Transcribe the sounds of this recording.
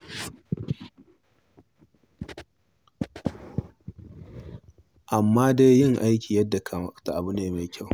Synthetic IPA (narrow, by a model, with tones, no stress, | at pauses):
ʔa˨mːaː˦da˦jjɪ˦˨ŋʔa˦jkʲiː˨jɐ˦dːa˨kʰa˨˦ta˨ʔa˨bʊ˦neː˦ma˨jkʲa˦˨w